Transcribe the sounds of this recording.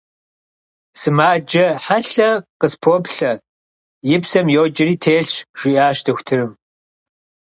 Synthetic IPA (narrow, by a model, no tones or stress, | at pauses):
sɨmaːd͡ʒɐħaɬɐqəspʰoːpɬɐ | jɪpsɐmjoːd͡ʒɪɾiːtʰeːɬɕʒ̥ʷiʔaːʃtʰɨxʷtʰɨɾɨm